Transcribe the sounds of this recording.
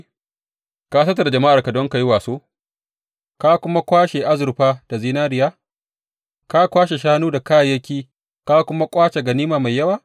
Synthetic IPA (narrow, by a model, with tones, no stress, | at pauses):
kaː˦sɐ˦t̬ːa˨da˨d͡ʒɐ˨ma˦ʔa˨rka˨dɔ˦ŋka˨ji˦waː˨soː˦ | ka˦kʷʊ˦ma˦kʷaː˦ʃe˨ʔa˦zʊ˨ɾɸaː˦d̥a˨ziː˦naː˦ɾɪ˨jaː˦ | ka˦kʷaː˦ʃe˨ʃaː˦nuː˦da˨kaː˦˨jɐ˦kʲiː˦ | ka˦kʷʊ˦ma˦kʷʼaː˦t͡ʃe˨ɡɐ˨niː˦maː˨ma˨jːɐ˦waː˨